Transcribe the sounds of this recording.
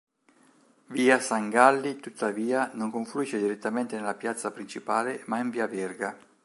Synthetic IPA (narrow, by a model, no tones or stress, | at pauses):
viːasaŋɡalːit̪ut̪ːaviːanoŋkoɱfluiːʃed̪iɾet̪ːament̪enelːapjat̪sːapɾit͡ʃipaːlemaiɱviːavɛrɡa